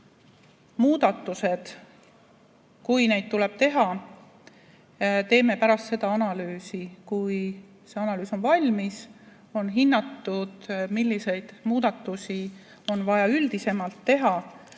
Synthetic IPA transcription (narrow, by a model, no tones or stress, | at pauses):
muːd̪̥ɑt̪ˑːuse̞d̪̥ | kujne̞jd̪̥̚t̪ule̞b̥̚t̪e̞ɦɑ | t̪e̞ːme̞pæɾɑst̪se̞d̪ɑɑnɑlyːsikuj | se̞ɑnɑlyːso̞nvɑlʲmis | o̞nɦinːɑt̪ːˑud̪̥milʲːise̞jd̪̥muːd̪̥ɑt̪ːusi | o̞nvɑjɑyld̪̥ise̞mɑlt̪ːe̞ɦɑ